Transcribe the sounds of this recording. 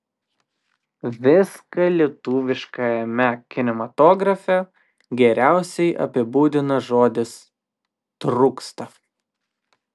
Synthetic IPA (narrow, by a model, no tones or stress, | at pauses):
ʋʲɪskɐlʲiɛt̪uːʋʲɪʃkɐjɛmʲɛkʲɪnʲɛmɐt̪oːɡɾɐfʲɛ | ɡʲɛɾʲæˑʊsʲɛɪʔɐ̰pʲɪbuːd̪ʲɪnɐʒoːd̪ʲɪs | t̪ɾʊkst̪ɐ